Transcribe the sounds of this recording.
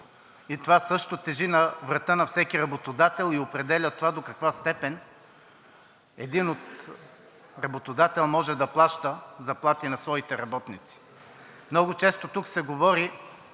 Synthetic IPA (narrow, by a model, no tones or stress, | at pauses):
it̪ovasɤʃt̪ot̪ɛʒinɐvɾɐt̪ənɐfsɛkiɾɐbot̪od̪at̪ɛlˠiopɾɛd̪ɛlʲɐt̪ovad̪okɐkvast̪ɛpɛn | ɛd̪inot̪ | ɾɐbot̪od̪at̪ɛlˠmɔʒɛd̪ɐplˠaʃt̪əzɐplˠat̪inɐsvɔit̪ɛɾɐbɔt̪nit̪si̥ | mnɔɡʊt͡ʃɛst̪ot̪uksɛɡovɔɾi